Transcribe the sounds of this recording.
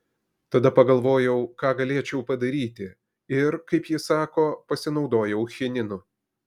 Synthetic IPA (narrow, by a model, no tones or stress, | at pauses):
t̪ɐd̪ɐpɐɡɐlˠʋoːjɛʊkɑːɡɐlʲeɛt͡ʃʲɛʊpɐd̪ɐɾʲiːt̪ʲɪ | ɪɾkɐɪpjɪsɑːkoːpɐsʲɪnɒʊd̪oːjɛʊxʲɪnʲɪnʊ